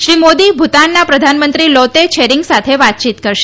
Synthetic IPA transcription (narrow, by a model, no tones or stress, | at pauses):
ʃɾimod̪ibʱut̪anːapɾəd̪ʱanmənt̪ɾilɔt̪et͡ʃʰeɾiŋɡsat̪ʰeʋat̪̚t͡ʃit̪kəɾʃe